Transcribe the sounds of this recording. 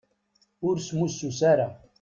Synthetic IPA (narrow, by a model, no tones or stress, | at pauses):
ʊɾsmusːusaɾa